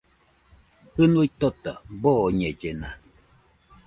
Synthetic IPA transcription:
hɨnuit̪ot̪aboɲed͡ʒena

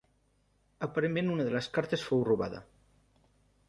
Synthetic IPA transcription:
apaɾemmẽnunaðeleskaɾt̪esfowruβa̰ðɐ̰

